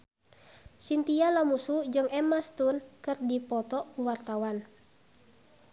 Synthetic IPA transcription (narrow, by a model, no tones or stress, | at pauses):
sint̪ialamusud͡ʒɨŋɛmast̪unkɨrdipɔt̪ɔkuwart̪awan